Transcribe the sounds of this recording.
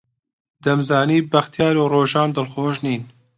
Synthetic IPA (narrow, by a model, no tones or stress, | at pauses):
d̪ɐmzɑːniːbɐxt̪jɑːɾoːroːʒɑːnd̪ɨlxoːʒniːn